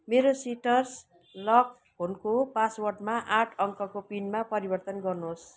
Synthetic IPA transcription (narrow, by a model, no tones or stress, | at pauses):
meɾosiʈʌrs | lʌk | ɦonkopaswʌrʈmaʔaʈʰʌŋkʌkopinmapʌɾibʌrt̪ʌnɡʌrnos